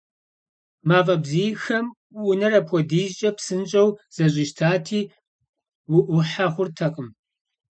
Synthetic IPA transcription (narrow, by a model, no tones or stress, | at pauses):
maːfʼɐbziːjxɐm | ʊnɐrɐpʰʷɔdiːʒt͡ʃʼɐpsɨnt͡ʃʼɐwz̥ɐɕʼiʃtʰaːtʰiː | wʊʔʷʊħaχʷʊrtʰɐqʼəm